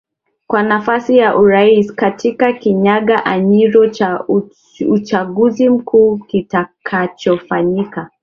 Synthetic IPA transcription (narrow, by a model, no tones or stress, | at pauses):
kwanafasijaʔuɾaiskatʰikakiɲaɠaʔaɲiɾɔt͡ʃa | ut͡ʃaɠuzim̩kʰuːkitakʰat͡ʃɔfaɲika